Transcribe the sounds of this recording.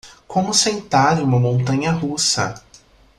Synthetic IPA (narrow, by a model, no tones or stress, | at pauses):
kõmʊsẽnt̪aɾũmɐmõnt̪ɐ̃ɲɐɦusɐ̰